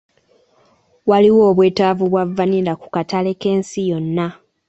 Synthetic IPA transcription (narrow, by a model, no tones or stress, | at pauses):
waliwo̞ːβwe̞ːtaːvuβwavːanilaku̥katale̞ke̞ːnsijo̞nːa